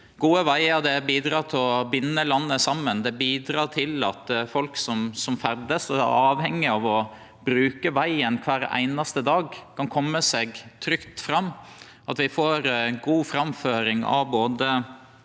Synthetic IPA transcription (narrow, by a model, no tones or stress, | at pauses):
ɡ̥uːəʋæɪəd̪ɛbiːd̪ɾɑːt̪ʰɪlɔbɪnːəlɑnːəsɑmːənd̪ɛbiːd̪ɾɑːt̪ʰɪlɑt̪fɔlksɔmsɔmfæɾd̪əsɔæ̰ɑːʋhɛŋːɪɑʋɔ | bɾʉːkəʋæɪənkʰʋæːɾæ̰ɪnɑst̪əd̪ɑːɡkʰɑnkʰɔmːəseːɡt̪ʰɾʏkt̪fɾɑmː | ɑt̪ʋɪfoːɾɡuːfɾɑmføːɾɪŋɑ̰ʋboːd̪ə